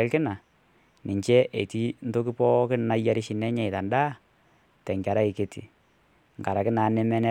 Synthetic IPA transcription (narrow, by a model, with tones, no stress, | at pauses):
ɛ˦lkɪ˦na˨ | nɪ˨ɲt͡ʃɛ˦ʔe˨ti˦n̩˦to˦k̬ɪ˦pɔ˦kɪ˦na˨˦ja˦ɾɪ˦ʃɪ˨nɛ˦ɲɛ˦˨ɪ˨ta˨nda˦ | tɛ˨ŋɡa˨ɾa˦ɪ˨ke˦tḭ˨ | ŋ˨a˨ɾa˨kɪ˦na˨˦nɛ˦mɛ˦nɛ˦